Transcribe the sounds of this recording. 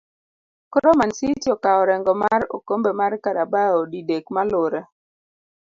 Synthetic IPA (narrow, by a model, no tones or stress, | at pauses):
kɔɾɔmansitjɔkaɔɾɛŋɡɔmaɾo̰kombemaɾkaɾabaɔdidekmalʊɾɛ